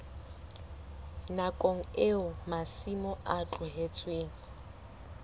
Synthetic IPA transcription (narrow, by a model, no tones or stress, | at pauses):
nakʼoŋ̩eʊmasimɔʔat͡ɬʼʊɦet͡sʼweːŋ̩